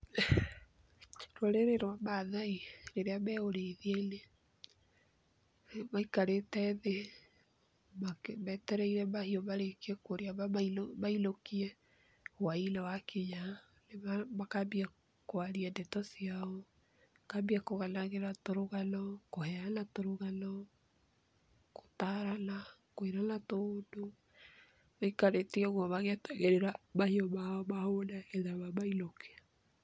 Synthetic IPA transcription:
ɾwɔɾeɾeɾwamaðaiɾeɾeamɛːoɾeiðiaine | maikaɾetɛðe | makmɛtɛɾɛiɾɛmahiɔmaɾekiɛkoɾiaβamaiomailokiɛ | wainawakʰiɲa | nemamakabia | koaɾiandɛtɔsiaɔ | kabiakoɣanaɣeɾatoɾoɣanɔkohɛanatoɾuɣanɔ | ko̥taɾanakoiɾanatodo | ikaɾetiɛɣwɔβaɣetɛɣeɾeɾamahiɔmaɔmahonaeðaβamailokea

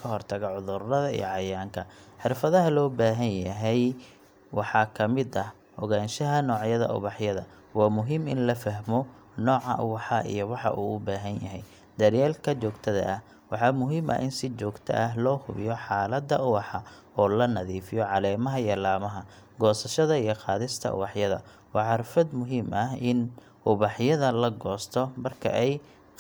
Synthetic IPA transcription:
kʰɐɦɔrt̪ʰɐɣɐʕʊðʊrːɐðɐḭjɔ̰ʕɑjaːŋkʰɐħɪrfɐðɐɦɐlɔːbaːɦɐnjɐɦɛj | wɑħɑːkʰɐmɪd̪ɐ | hɔɣaːnʃɐɦɐnɔːʕjɐðɐ̰ʔʊ̰βɑħjɐðɐ | wɑːmʊɦɪmɪnlɐfɐɦmɔ | nɔːʕɑ̰ʔʊ̰wɑħɑʔḭjɔwɑħɑ̰ʔuːʊbaːɦɐnjɐɦɛj | d̪ɐɾjaːlkʰɐt͡ʃɔːɡt̪ʰɐðɐ̰ʔːh | wɑħɑmʊɦiːmʔɐ̰ʔɪnsɪt͡ʃɔːɡt̪ʰɐ̰ʔɐɦlɔːhʊβɪ̰jɔħɑːlɐd̪ːɐʊwɑħɑ | ɔːlɐnɐðiːfɪjɔʕɑlɛːmɐɦɐijɐlaːmɐɦɐɡɔːsɐʃɐðɐijɞqɑːðɪst̪ʰɐ̰ʊ̰wɑħjɐðɐ̰ | wɑːħɑɾfɐd̪mʊɦiːmʔɐɦɪn | ʊβɑħjɐðɐlɐɡɔːst̪ʰɔmɐrkʰɐ̰ʔɛj

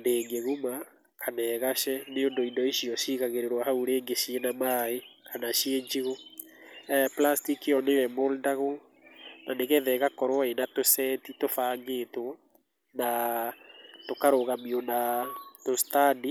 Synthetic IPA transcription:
ndeːŋɡeɣuma | kʰanɛːɣaʃɛneondoindɔiɕiɔʃiːɣaɣeɾeɾwahauɾeːŋɡeʃienamaekanaʃieɲd͡ʒiɣo | plastikiɔnewɛmoldaɣo | naneɣɛðɛɣakɔɾwaenatosɛtitofaːŋɡetwɔ | na | tokaɾoɣamiɔnatostadi

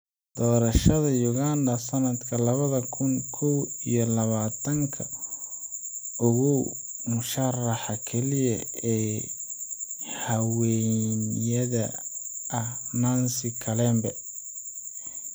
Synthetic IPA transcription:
d̪̥ɔːɾɐʃɐðɐjʊɣand̪ɐsɐnɐd̪kʰɐlɐβɐðɐkʰʊŋkʰɔwḭjɔlɐβaːt̪ʰɐŋkʰɐ | ʊɣʊw | mʊʃɐrɑħɑkʰɛlɪjɐ̰ɛː | hɐwɛnjɐðɐɐhnansɪkʰɐlɛːmbɐ

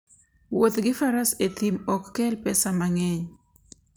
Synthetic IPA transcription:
wot̪ɡɪfaɾaset̪imɔkːɛlpɛsamaŋɛɲ

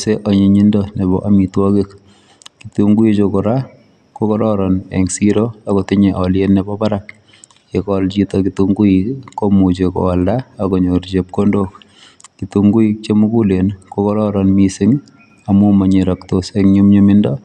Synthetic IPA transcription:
seʔɔɲiɲindɔnebɔ̰ʔamitwɔkɪk | kituŋɡuit͡ʃokɔɾa | kokɔɾɔɾɔnɛ̰ŋsiɾoakɔtɪɲeʔɔljenːɛbɔbaɾak̚ | ekɔlt͡ʃitɔkituŋɡuikːomut͡ʃekɔ̰ːldaːkɔɲoɾt͡ʃep̚kondok | kituŋɡuik̚t͡ʃemukulenkokɔɾɔɾɔnmisɪŋ | amumaɲeɾɔktoseŋɲumɲumɪndɔ

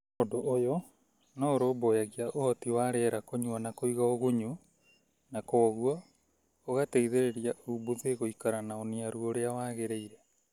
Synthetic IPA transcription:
modoʔːjɔ | nɔɾoːbojaɣiaʔohɔtiwaɾɛɾakoɲuanakoiɣaoɣoɲu | nakoɣuɔ | oɣateiðeɾeɾiaubuðeɣoikaɾanaoniaɾuoɾeawaɣeɾeiɾɛ

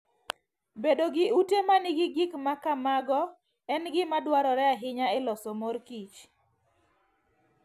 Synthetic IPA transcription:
bedoɡɪutemanɪɡɪɡikmakamaɡɔ | ɛnɡɪmadwaɾɔɾɛaɦɪɲaɛlɔsɔmɔɾkit͡ʃ

